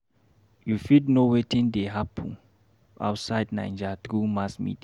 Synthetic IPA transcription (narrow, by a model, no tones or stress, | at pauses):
jufidnowetĩndeɦapʰɔ̃n | a̰ʊtsaɪdnã̰ɪ̃nd͡ʒat̪ɾumasmḭdi